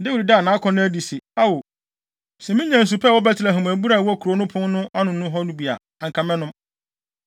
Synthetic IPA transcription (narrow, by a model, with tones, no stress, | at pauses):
dɪ˦wʊ˨ɾi˨daː˦˨nãː˨˦kʰɔ̃˦nʊ̃˦æ˦di˨se˨a˦wo˨ | sɛ˨mɪ̃˦ɲã˨n̩˨s̬u˨pʰɛ˦˨wɔ˦bɛ˦tʰɪ˨ɾa˨ɦʊ̃˨mæ˨bu˦ɾa˦˨wɔ˦kʰu˨ɾo˦nʊ̃˦pʰʊ̃˦nʊ̃˦ʔa˦nʊ̃˨˦nʊ̃˦ɦɔ˦nũ˦bi˨a̰˨ | a˨ŋ˨kʰã˨mɛ̃˦nʊ̃˦m